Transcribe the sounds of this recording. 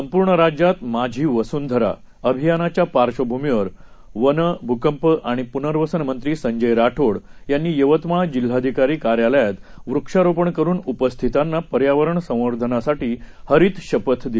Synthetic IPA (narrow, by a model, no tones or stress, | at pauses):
səmpuːɾɳəɾad͡ʑjat̪mad͡ʑʱiːʋəsuːnd̪ʱəɾa̰ | əbʱijanat͡ɕjapaɾɕəbʱumiʋəɾ | ʋənəbʱukəmpəaɽ̃ipunəɾʋəsənmənt̪ɾiːsəɲd͡ʑəjɾaʈʰoɽjanːiːjəʋət̪maɭd͡ʑil̤ːad̪ʱikaɾiːkaɾjaləjat̪ʋɾukʂaɾopəɳkəɾuːnupəst̪ʰit̪anːapəɾjaʋəɾəɳsə̃w̃ʋəɾd̪ʱənasaʈiːhəɾiːt̪ɕəpət̪ʰd̪i